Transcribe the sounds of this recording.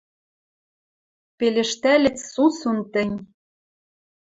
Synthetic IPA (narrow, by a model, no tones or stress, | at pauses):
pelʲɘ̆ʃt̪ælʲɘ̆t͡ssusunt̪ɘ̆nʲ